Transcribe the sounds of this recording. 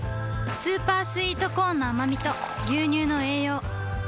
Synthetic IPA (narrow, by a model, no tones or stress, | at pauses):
sɨːpaːsɨiːt̪o̞ko̞ːnːaːmamʲit̪o̞ | ɡʲɨːɲ̟ɨːno̞e̞ːjo̞ː